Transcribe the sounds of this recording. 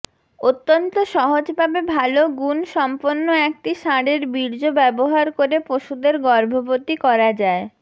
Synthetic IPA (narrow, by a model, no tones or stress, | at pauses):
ot̪ːont̪oʃɔɦod͡ʑbʱabebʱaloɡunʃɔmponːoek̚ʈiʃaɽeɾbiɾd͡ʑobɛboɦaɾkoɾepoʃud̪eɾɡɔɾbʱobot̪ikɔɾad͡ʑae